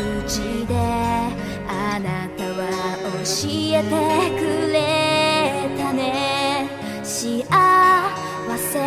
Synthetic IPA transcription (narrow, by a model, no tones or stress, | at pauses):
ɯt͡ɕid̪e̞ | anat̪aβaoɕiet̪ekɯɾe | t̪ane | ɕiʔa | βase